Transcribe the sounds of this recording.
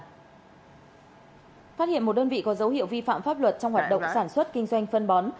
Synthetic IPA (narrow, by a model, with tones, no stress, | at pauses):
faː˦˥t̚ḭ˧˨nmo˨˩t̚ɗəː˧nvḭ˧˨kɔ˨˦zə˨˦whḭ˧˨əwvi˧fa̰ː˧˨mfaː˦˥p̚lwə˨˩t̚t͡ɕɔ˧wŋ͡mhwaː˨˩ɗə̰˧˨ŋ͡msaː˧˩nswə˦˥t̚kï˧ŋ̟zwa˧jŋ̟fə˧nɓɔ˨˦n